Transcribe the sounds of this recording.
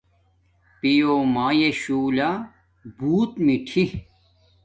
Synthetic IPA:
pijomaːjeɕuːla | buːt̪miʈʰi

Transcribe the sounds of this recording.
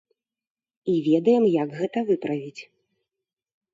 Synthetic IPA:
ivʲɛd̪ɐjɛmjɐɡɣɛt̪ɐvɨpɾɐvʲit͡sʲ

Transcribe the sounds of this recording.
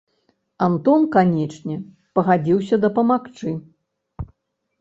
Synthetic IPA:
ant̪ɔnkanʲɛt͡ʂnʲɛ | pɐɣad͡zʲiwsʲɐd̪ɐpɐmakt͡ʂɨ

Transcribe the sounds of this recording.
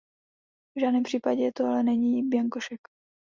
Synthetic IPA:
vʒaːdnɛːmpr̥iːpaɟɛɛt̪oalɛnɛɲiːbjaŋkoʃɛk

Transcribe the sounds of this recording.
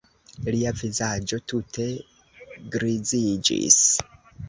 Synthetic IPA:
liavizad͡ʒo̞tutʰe̞ | ɡɾizid͡ʒḭs

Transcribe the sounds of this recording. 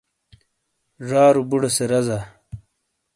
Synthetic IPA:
ʐaːɾubuɽeseɾɐza

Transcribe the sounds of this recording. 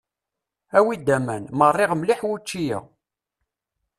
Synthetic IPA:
æwid̪ːæmænmərˤːɪʁmliħwut͡ʃːijæ̰

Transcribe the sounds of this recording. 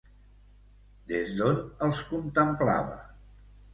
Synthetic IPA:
d̪ezd̪onəlˠskunt̪əmpla̰βə̰

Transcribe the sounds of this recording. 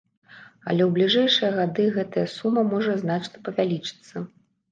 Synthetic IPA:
ɐ̰lʲɛwblʲiʐɛjʂɨjɐɣad̪ɨɣɛt̪ɐjɐsumːɐmɔʐɐzn̪at͡ʂnɐpɐvʲalʲit͡ʂɨ̥t̪sːɐ

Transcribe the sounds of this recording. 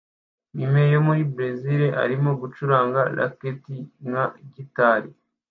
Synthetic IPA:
mime̞jomuɾibɾeziɾeʔa̰ɾimo̞ɡut͡ʃuɾaːŋɡala̰ketiŋaɟitaːɾi

